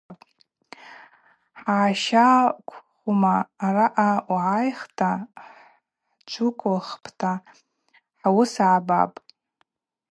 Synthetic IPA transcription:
pʼ | ħaːʃakʷʰχʷumaːraʔawʕajχtʰa | ħt͡ʃʷʰʊkʷʰʼʊlχpʰtʰa | ħawʊsaʕaba̰pʼ

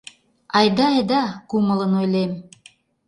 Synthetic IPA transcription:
ɑjd̪ɑːjd̪ɑkumɤ̆lˠɤnojlɑjm

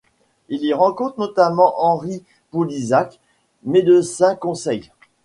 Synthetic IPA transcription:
iliʁɑ̃kɔ̃t̪χnɔt̪amɑ̃ʔɑ̃ʁi | pulizak | med̪əsɛ̃kɔ̃sɛj

